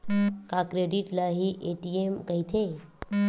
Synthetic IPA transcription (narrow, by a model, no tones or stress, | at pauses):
kakɾeɖiʈlaɦiʔeʈiemkəɦit̪ʰe